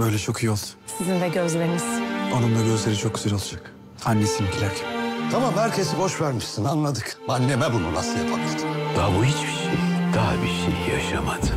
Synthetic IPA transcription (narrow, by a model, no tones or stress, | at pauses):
bø̞jlʲɛt͡ʃʰo̞kʰijo̞lˠsu̥nsizind̪ɛɟøzlʲeɾimiz̥anɯmd̪aɟø̞zlʲeɾit͡ʃʰo̞k̚ɟʲyzælʲo̞lˠad͡ʒak | hanːesimiɟʰilʲæɾcʰɛ̥t̪ʰamamhæɾcʰe̞sibo̞ʃvæɾmiʃsinanlˠad̪ɯkmanːemɛbunṵnˠa̰sɯjapʰamad̪ɯ̥d̪̥abuhit͡ʃbi̥ʃejd̪̥aɦabiʃḛjja̰ʃa̰mad̪